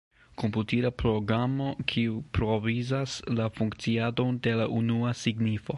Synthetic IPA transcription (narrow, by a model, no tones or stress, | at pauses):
kʰomputiɾapɾo̞ɡɾamo̞kʰiupɾo̞vizaslafuŋkt͡siado̞nde̞laʔunuasiɡnifo̞